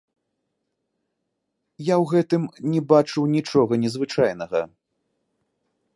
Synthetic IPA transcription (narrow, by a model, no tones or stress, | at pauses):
jawɣɛt̪ɨmnʲɛbat͡ʂɨwnʲit͡ʂɔɣɐnʲɛzvɨt͡ʂajnɐɣɐ